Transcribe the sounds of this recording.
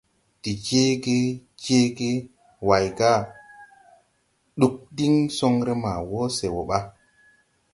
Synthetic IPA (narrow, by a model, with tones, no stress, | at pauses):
ti˨d͡ʒe˦ɡe˦d͡ʒe˦ɡe˦ | wa˨jɡa˦ | ɗu˦k̚di˦ŋso˦ŋɾe˦ma˨wo˦se˨wo˨ɓa˦